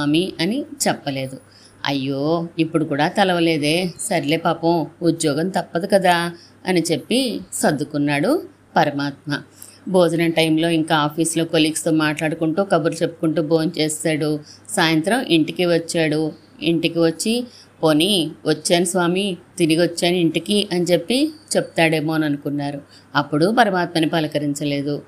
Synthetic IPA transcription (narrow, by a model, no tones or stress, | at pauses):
aːmiɐnit͡ʃɛpːɐle̞ːd̪u | ɐ̰jːo̞ːipːuɽukuːɽaːt̪ɐlɐʋɐle̞ːd̪e̞ːsɐɾile̞ːpaːpɐmud̪jɔːɡɐmt̪ɐpːɐd̪ikɐd̪aː | ɐ̰nit͡ʃe̞pːisɐd̪ːukunːaːɽu | pɐɾɐmaːt̪̚mɐ | bo̞ːd͡ʒunɐʈɐjmlo̞ːiŋkaːaːpʰiːslo̞ːkoliːkst̪oːmaːʈlaːɽukuɳʈuːkɐbuɾlt͡ʃe̞pːu̥kuɳʈuːboːnt͡ʃeːsaːɽusaːjɐnt̪ɾɐmʔiɳʈikiʋɐt͡ʃːaːɽu | ḭɳʈikiʋɐt͡ʃːi | poːniʋɐt͡ʃːaːnisʋaːmit̪iɾiɡiʋɐt͡ʃːaːniiɳʈikiʔɐnit͡ʃe̞pːit͡ʃe̞p̚u̥t̪aːɽe̞ːmo̞ːnɐnukunːaːɾu | ɐpːuɽupɐɾɐmaːt̪̚mɐnibɐlɐkɐɾiɲt͡ʃɐle̞ːd̪u